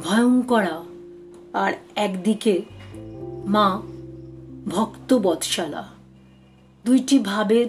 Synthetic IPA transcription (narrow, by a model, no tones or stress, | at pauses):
bʱɔeoŋkɔɽa | aɾɛkd̪ike | mã | bʱɔkt̪obɔd̪ʱʃala̰ | d̪ujʈibʱabe